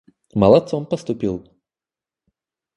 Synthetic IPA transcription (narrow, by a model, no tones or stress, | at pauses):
mɐlˠɐt̪sompəst̪ʊpʲilˠ